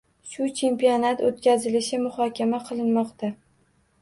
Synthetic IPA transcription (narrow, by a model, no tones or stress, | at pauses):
ʃʊt͡ʃʰe̞mpijonat̪ot̪kʲazɪlɪʃɪmʊhɒkʲʰamaqʰɨlˠɪnmɒqt̪ʰa